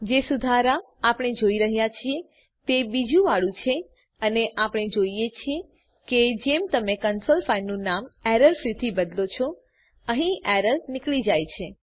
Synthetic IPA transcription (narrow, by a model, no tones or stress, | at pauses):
d͡ʒesud̪ʱaɾa | apɽ̃ed͡ʒoiɾəɦjat͡ʃʰie | t̪ebid͡ʒũʋaɭũt͡ʃʰe | əneʔapɽ̃ed͡ʒoijet͡ʃʰie | ked͡ʒemt̪əmekənsolfanːũnamɛɾəlfɾit̪ʰibəd̪lot͡ʃʰɔ | əɦĩɛɾəlnɪkɭid͡ʒajt͡ʃʰe